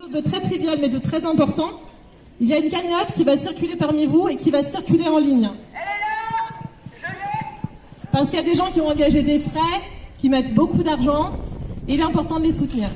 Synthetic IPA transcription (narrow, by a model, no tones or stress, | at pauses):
ozd̪ət̪χɛt̪χivjalmɛd̪ət̪χɛzɛ̃pɔʁt̪ɑ̃ | iljaynkaɲɔt̪kʲivasiʁkʲylepaʁmivuekʲivasiʁkʲyleɑ̃liɲ | paʁsə̥kijad̪eʒɑ̃kʲiɔ̃ɑ̃ɡaʒed̪efχɛkʲimɛt̪bokud̪aʁʒɑ̃eilɛɛ̃pɔʁt̪ɑ̃d̪əlesut̪niːʁ